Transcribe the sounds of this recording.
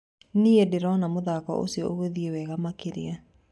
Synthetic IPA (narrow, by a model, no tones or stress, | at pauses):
niedeɾɔnamoðakɔ̰ʔo̰sjɔoɣeðiewɛɣamakeɾḛa